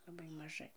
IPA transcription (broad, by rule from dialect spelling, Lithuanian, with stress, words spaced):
lˠɐˈbɐɪ mɐˈʒɐɪ